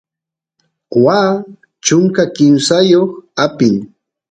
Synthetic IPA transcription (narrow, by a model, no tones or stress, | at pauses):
waː | t͡ʃʊŋkakɪmsajoχapɪŋ